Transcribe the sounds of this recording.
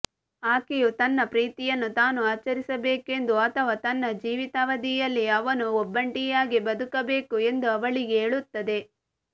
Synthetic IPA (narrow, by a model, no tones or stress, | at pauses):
aːkijut̪ɐnːɐpɾiːt̪ijɐnːut̪aːnuaːt͡ʃɐɾisɐbeːke̞nd̪uɐt̪ʰɐʋaːt̪ɐnːɐd͡ʒiːʋit̪aːʋɐd̪ijɐlːiɐʋɐnuɔbːɐɳʈijaːɡibɐd̪ukɐbe̞ːkue̞nd̪uɐʋɐɭiɡeeːɭut̪ːɐd̪e̞